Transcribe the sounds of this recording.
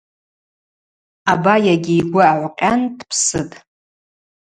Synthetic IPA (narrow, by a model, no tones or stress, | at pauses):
abajaɡʲɪiɡʷʊaʕʷqʲʼandpʰsɨtʼ